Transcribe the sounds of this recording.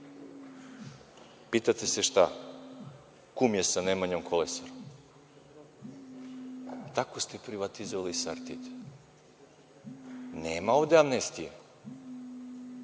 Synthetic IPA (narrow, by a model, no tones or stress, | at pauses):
pit̪at̪eseʃt̪a | kumjesanemaɲomkʰolesaɾo | t̪akost̪epɾiʋat̪izoʋalisaɾt̪it̪e̥ | neːmao̞ʋd̪eamnest̪ija